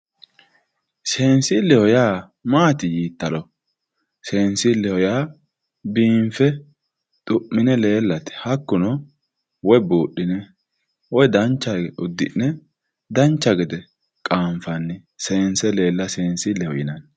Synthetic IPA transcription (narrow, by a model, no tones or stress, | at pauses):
se̞ːnsɪlːɛhɔjaː | maːt̪ɪjiːt̪ːɐlɔ | se̞ːnsɪlːɛhɔjaː | biːɱfɛ | t̪ʼʊʔːɪnɛle̞ːlːɐt̪ɪ̥hɐkːʊnɔ | wɔjbuːɗːɪnɛ | wɔjd̪ɐnt͡ʃːɐɡʊd̪ːɪ̰nnɛ | d̪ɐnt͡ʃːɐɡɛd̪ɛ | kʼaːɱfɐnːɪse̞ːnsɛle̞ːlːɐseːnsɪlɛhɔjɪnɐn